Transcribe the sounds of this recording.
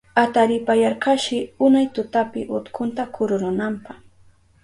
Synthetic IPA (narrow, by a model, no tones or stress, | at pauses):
at̪aɾɪpajaɾkaʃɪʊnajt̪ʊt̪apɪʔʊt̪kʰʊnt̪akʊɾʊɾʊnampɑχ